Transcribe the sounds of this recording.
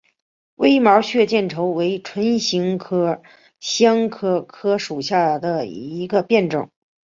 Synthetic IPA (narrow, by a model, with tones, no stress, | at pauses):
wʔe˥ɪmɑ˧˥ʊɕɥɛ˥˧t͡ɕjɛ˥˩nʈ͡ʂʰo˧˥ʊwe˧˥ɪʈ͡ʂʰwə˧˥nɕi˧˥ŋkʰɤ˥ | ɕjɑ˥ŋkʰɤ˥˩kʰɤ˥ʂu˨˩ɕja˥˩d̪ə˩i˧˥ɡə˧pjɛ˥˩nʈ͡ʂɤ̰˨˩˦ŋ